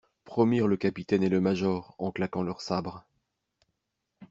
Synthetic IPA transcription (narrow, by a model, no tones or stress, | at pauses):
pχɔmiʁləkapit̪ɛneləmaʒɔʁɑ̃klakɑ̃lœʁsabʁ